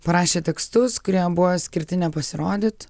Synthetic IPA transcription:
pɐɾɑːʃʲeːt̪ʲɛkst̪ʊskʊɾʲiɛbʊʋosʲkʲɪɾʲt̪ʲɪnʲɛpɐsʲɪɾoːd̪ʲɪt̪

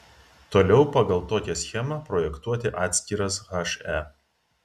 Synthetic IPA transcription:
t̪oːlʲɛʊpɑɡɐlˠt̪oːkʲɛsʲxʲɛmɐpɾɔːjɛkt̪uɔt̪ʲɪʔɑːt̪ʲsʲkʲiɾɐsɣɐʃæ

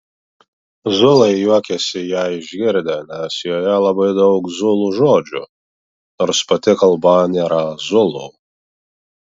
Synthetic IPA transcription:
zʊlˠɐɪjuɔkʲɛsʲɪjæːɪʒʲɡʲɪɾʲd̪ʲɛnʲɛsjoːjɛlˠɐbɐɪd̪ɐʊkzʊlˠuʒoːd͡ʒʲʊ̰ | noːɾspɐt̪ʲɪkɐlˠbɑnʲeɾɑzʊlˠo

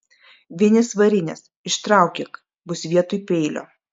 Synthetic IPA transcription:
ʋʲiɛnʲɪsʋɐɾʲɪnʲɛs | ɪʃt̪ɾɑˑʊkʲek | bʊsʲʋʲiɛt̪ʊjpʲɛɪlʲo̰ː

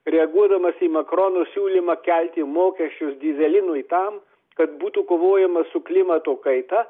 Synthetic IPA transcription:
ɾʲɛɐɡuɔd̪ɐmɐsiːmɐkɾoːnosʲuːlʲimɐkʲælʲt̪ʲɪmoːkʲɛʃʲt͡ʃʲʊsd̪ʲɪzʲɛlʲɪnʊit̪ɐm | kɐt̪buːt̪uːkoːʋoːjɛmɐsʊklʲɪmɐt̪oːkɐɪt̪ɐ

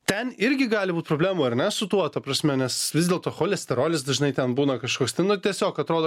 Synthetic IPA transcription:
t̪ʲɛnɪɾʲɡʲɪɡɑːlʲɪbuːt̪̚ʲpɾoːblʲæːmuɐɾnʲɛsʊt̪uɔt̪ɐpɾɐsʲmʲɛnʲɛsʋʲɪzdʲɛlˠt̪oːxoːlʲɛsʲt̪ʲɛɾoːlʲɪsd̪ɐʒʲɪnɐɪt̪ʲɛnbuːnɐkɐʃkoːkst̪ɐɪnʊt̪ʲiɛsʲoːkɐt̪ɾoːd̪oː

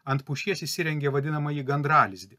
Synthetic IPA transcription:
ɐnt̪̚pʊʃʲiɛsisʲɪɾʲɛŋʲɡʲeːʋɐd̪ʲɪnɐmɐjiɡɐnd̪ɾɑːlʲɪzʲd̪ʲɪ

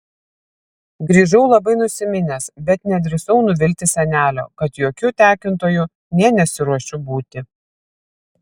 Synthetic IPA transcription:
ɡɾʲiːʒɐʊlˠɐbɐɪnʊsʲɪmʲɪnʲɛsbʲɛt̪nʲɛd̪ʲɾʲɪsɔʊnʊʋʲɪlʲt̪ʲɪsʲɛnʲæːlʲo̰ːkɐt̪joːkʲʊt̪ʲæːkʲɪnt̪oːjʊ | nʲiɛnʲɛsʲɪɾuɔʃʲʊbuːt̪ʲɪ

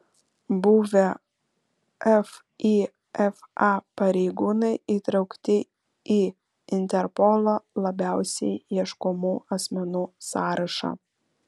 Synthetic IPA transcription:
bʊʋʲe | ɛf | i | ɛfɑpɐɾʲɛɪɡuːnɐɪʔiːt̪ɾɒʊkt̪ʲɪ | iː | ɪnʲt̪ʲɛɾpɔlˠoːlˠɐbʲæˑʊsʲɛɪiɛʃkʊmuːʔɐsʲmʲɛnuːsɑːɾɐʃɑ̰ː

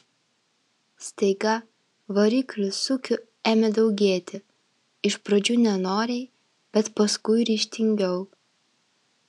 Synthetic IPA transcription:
sʲt̪ʲɛɪɡɐ | ʋɐɾʲɪklʲʊsʊkʲʊ | æːmʲɛd̪ɐʊɡʲeːt̪ʲɪ | ɪʃpɾod͡ʒʲuːnʲɛnoːɾʲɛɪ | b̥ʲɛt̪pɐskʊɪɾʲiːʃʲt̪ʲɪŋʲɡʲɛʊ

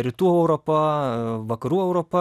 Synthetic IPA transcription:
ɾʲɪt̪uːɛʊɾopɐʋɐkɐɾuːɛʊɾoːpɐ

